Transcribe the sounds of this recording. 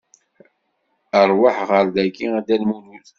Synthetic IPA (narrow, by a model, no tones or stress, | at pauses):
əɾˤwaħʁəɾd̪ækːiæd̪ælmunuθ